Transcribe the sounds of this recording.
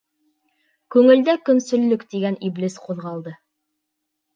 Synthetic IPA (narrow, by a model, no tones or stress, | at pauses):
kʉŋɘ̆ld̪ækɵ̆nsɵ̆lːɵkt̪iɡæniblisquðʁɑlˠd̪ɤ